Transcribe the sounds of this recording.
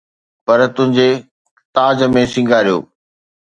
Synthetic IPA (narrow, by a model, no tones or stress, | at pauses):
pɐɾt̪ʊ̃ɦɪ̃ɲd͡ʑe | t̪aːd͡ʑəmẽsɪ̃ŋɡʱaːɾijo̰ː